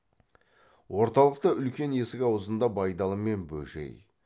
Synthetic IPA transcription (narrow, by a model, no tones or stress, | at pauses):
wo̞ɾt̪ɑlˠəq̚t̪əʏlkʲe̞ne̞sɪkʲɑwəzənd̪ɑbɑjd̪ɑlˠəme̞nbɵʒe̞̰j